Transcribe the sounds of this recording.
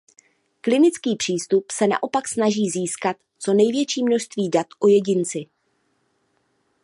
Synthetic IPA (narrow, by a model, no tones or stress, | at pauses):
klɪnɪt͡skiːpr̥iːst̪upsɛna̰ʔo̞paksnaʒiːziːskat̪ | t͡so̞nɛjvjɛt͡ʃiːmnoʃst̪viːdat̪ʔo̞jɛɟɪnt͡sɪ